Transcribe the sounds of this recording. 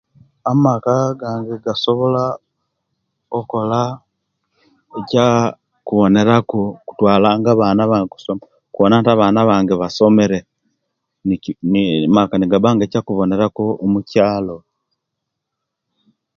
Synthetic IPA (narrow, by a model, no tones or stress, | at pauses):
amakaɡaːŋɡeɡaso̞βo̞la | oko̞la | eca | kuβo̞ne̞ɾakoku̥twaːlaːŋɡaβaːnaβaːŋɡeku̥som | kuβonantaβaːnaβaːŋɡeβaso̞me̞ɾe | nmakaniɡaβaːŋɡecakuβo̞ne̞ɾakoːmucaːlo̞